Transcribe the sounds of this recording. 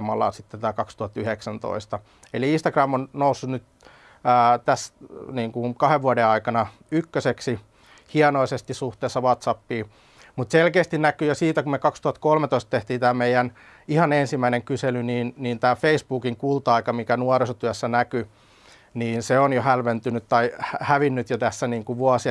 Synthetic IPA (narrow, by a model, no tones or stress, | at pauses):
mɑlːˑɑ̰sit̪ːæt̪æːkɑkst̪uhɑt̪ːyheksænt̪o̰ist̪ɑ | eliinst̪ɑkɡrɑmːonnousːunyt̪ː | t̪æsniːŋkukɑheʋʋuɑdeɑikɑnɑ | ykːøseksi | hiɑnoisest̪isuht̪eːsːɑʋɑt̪sɑpːiː | mut̪selkeːst̪innækyjosiːt̪ækummekɑkst̪uhɑt̪̚kolmet̪oist̪t̪eht̪iːnt̪æːmeijæn | ihɑnensimːæineŋkyselyniːnniːnt̪æːfeisbuːkiŋkult̪ɑikɑmikænuɑrisot̪yæsːænæky | niːnseonjohælʋent̪ynyt̪t̪ɑihæʋinːyt̪jot̪æsːæniːŋkuʋuɑsi